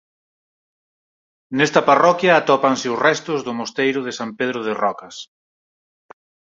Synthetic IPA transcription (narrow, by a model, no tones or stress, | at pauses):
nɛst̪ɐparɔkjɐːt̪ɔpansɪʊsrɛst̪ʊzðʊmost̪ejɾʊð̞ɪsampeðɾʊð̞ɪrɔkɐs